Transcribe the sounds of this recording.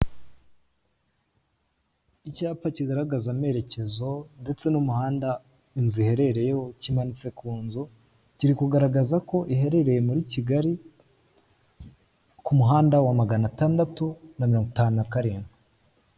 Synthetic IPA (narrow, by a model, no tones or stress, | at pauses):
icaːpaciɡaɾaɡazame̞ɾe̞ce̞zo̞nde̞t͡se̞numuhaːnda | inzihe̞ɾe̞ɾe̞jehocimanit͡se̞kuːnzu | ciɾikuɡaɾaɡazako̞ʔihe̞ɾe̞ɾe̞je̞muɾiciɡaɾi | kumuɦaːndawamaɡanataːndatunamiɾo̞ːŋɡutaːnunakaɾiːni